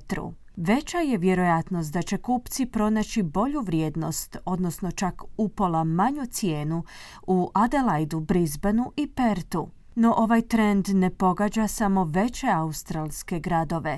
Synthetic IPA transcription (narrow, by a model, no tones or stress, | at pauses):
t̪ɾṵ | ʋe̞t͡ɕaje̞ʋje̞ɾo̞jat̪nos̬t̪d̪at͡ɕe̞kuːpt̪sipɾo̞nat͡ɕibo̞ʎuʋɾjeːd̪no̞̰st̪o̞d̪no̞sno̞t͡ʃakupolamaɲut̪sje̞ːnu | uʔad̪elajd̪ubɾizbenuʔipe̞ɾt̪u | no̞ʔoʋajt̪ɾe̞nd̪ne̞po̞ɡad͡ʑasamo̞ʋe̞t͡ɕe̞aust̪ɾalˠske̞ɡɾad̪o̞ʋe̞